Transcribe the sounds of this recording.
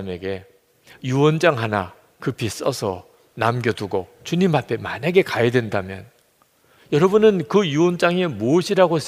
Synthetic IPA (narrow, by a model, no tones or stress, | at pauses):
me̞ɡe̞ | juwʌnd͡ʑaŋɦana̰ | kɯpʰis͈ʌsʰʌ | namɡjʌtuɡo̰ | t͡ɕuɲimɦapʰe̞maɲaɡe̞kajʌdwe̞ndamjʌ̰n | jʌɾʌbunɯnkɯjuwʌnd͡ʑaŋe̞moɕʰiɾaɡos